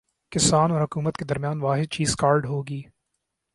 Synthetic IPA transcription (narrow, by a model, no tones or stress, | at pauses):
kɪsaːnɔːɾɦʊkuːmət̪ked̪ɐɾmjaːnʋaːɦɪd̪̚t͡ʃiːzkaːɾɖɦoːɡiː